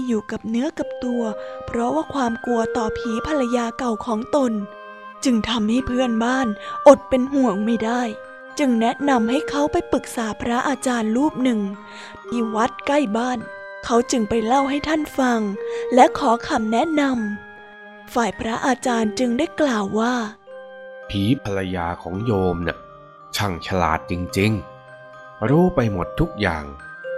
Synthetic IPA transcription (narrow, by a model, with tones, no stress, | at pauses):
juː˨˩ka˨˩p̚nɯ˦˥ɐka˨˩p̚t̪u˧ɐpʰɾɔ˦˥waː˥˩kʰwaː˧mku˧ɐt̪ɔː˨˩pʰiː˩˦pʰa˧la˧jaː˧ka˨˩wkʰɔː˩˦ŋt̪o˧n | t͡ɕɯ˧ŋt̪ʰa˧mha˥˩jpʰɯ˥˩ənbaː˥˩nʔo˨˩t̪̚pe˧nɦu˨˩əŋmaː˦˥˩daː˥˩j | t͡ɕɯ˧ŋnɛ˦˥ʔna˧mɦa˥˩jkʰa˦˥wpa˧jpɯ˨˩k̚saː˩˦pʰɾa˦˥ʔaː˧t͡ɕaː˧nɾuː˥˩p̚nɯ˨˩ŋ | miː˧wa˦˥t̪̚ka˥˩jbaː˥˩n | kʰa˦˥wt͡ɕɯ˧ŋpa˧jla˥˩wɦa˥˩jt̪ʰa˥˩nfa˧ŋlɛ˦˥kʰɔː˩˦kʰa˧˩mnɛ˦˥ʔna˧m | faː˨˩jpʰɾa˦˥ʔaː˧t͡ɕaː˧nt͡ɕɯ˧ŋdaː˥˩jklaː˨˩wːaː˥˩ | pʰiː˨˩˦pʰa˧la˧jaː˧kʰɔː˩˦ŋjoː˧mna̰˧˩˦ | t͡ɕʰa˨˩ŋt͡ɕʰa˧la̰ː˨˩t̪̚t͡ɕi˧ŋt͡ɕi˧ŋ | ɾuː˦˥pa˧jmo˨˩t̪ʰːu˦˥k̚ja̰ː˨˩ŋ